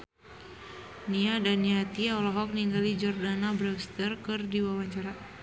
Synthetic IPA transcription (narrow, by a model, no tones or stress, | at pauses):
niadaniat̪iɔlɔɦɔk̚niŋɡalid͡ʒɔrdanabɾɛst̪ərkɨrdiwawaɲt͡ʃaɾa